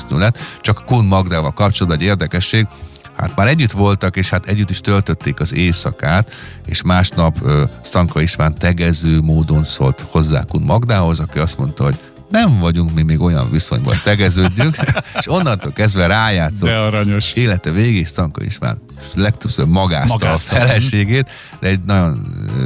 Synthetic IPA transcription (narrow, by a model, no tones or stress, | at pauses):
snylɛt̪t͡ʃɒkkunmɒɡd̪aːvɒlkɒp̚t͡ʃolːd̪ʋɒɟeːrd̪ɛkɛʃːeːɡha̰t̪maːɾɛɟːyt̪ʋo̞lt̪ɒkeːʃhat̪ɛɟːyt̪ːiʃt̪ølt̪ø̞t̪ːeːkɒzeːsɒkaːt̪ḛːʃmaːʃnɒpøːst̪ɒŋkɒiʃʋaːnt̪ɛɡɛzøːmoːd̪o̞nso̞lt̪ho̞zːa̰ːkunmɒɡd̪aːɦo̞zɒkiɒst̪mo̞n̪t̪ɒɦo̞ɟ̥ | nɛɱvɒɟuŋkmimiːɡo̞jɒ̰ɱviso̞̰ɲbɒ̰nt̪ɛɡɛzøːɟːyŋkeʃo̞nːɒnt̪oːlkɛzd̪ʋɛɾaːjaːt̪soɛɾɒɲoʃeːlɛt̪ɛveːɡeːʃst̪ɒŋkɒ̰ḭʃʋa̰ːn | lɛk̚t̪øbsøbmɒɡa̰ːst̪ɒfɛlɛʃeːɡeːt̪ | d̪ɛɛɟnɒɟo̞nː